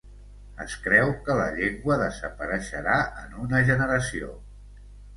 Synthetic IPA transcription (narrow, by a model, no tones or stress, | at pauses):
ə̰skɾɛwkələʎeŋɡwəðəzəpəɾəʃəɾaə̰nunəʒənəɾəsio̰